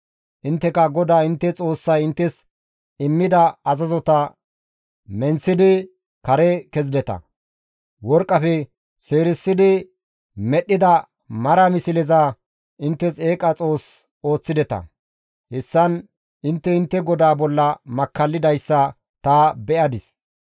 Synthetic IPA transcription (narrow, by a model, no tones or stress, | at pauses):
ʔɪnt̪ːɛkɐɡɔd̪aːɪnt̪ːɛt͡sʼo̞ːsːɐjɪnt̪ːɛs | ɪmːɪd̪ɐɐzɐzɔt̪ɐ | mɛnsɪd̪ɪ | kɐɾɛkɛzɪd̪ɛt̪ɐ̰ | wɔɾkʼːɐfɛ | se̞ːɾɪsːɪd̪ɪ | mɛɗːɪd̪ɐ | mɐɾɐmɪsɪlɛza | ɪnt̪ːɛseːkʼɐt͡sʼo̞ːs | o̞ːt͡sːɪd̪ɛt̪ɐ̰ | hɛsːɐn | ɪnt̪ːɛɪnt̪ːɛɡɔd̪aːbɔlːɐmɐkːɐlːɪd̪ɐjsːɐ | t̪ɐbɛʔɐd̪ɪs